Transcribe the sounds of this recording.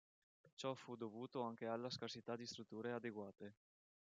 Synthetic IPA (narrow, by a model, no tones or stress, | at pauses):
t͡ʃɔfud̪ovuːt̪oaŋk̟ealːaskarsit̪ad̪ist̪ɾut̪ːuːɾead̪eɡwaːt̪e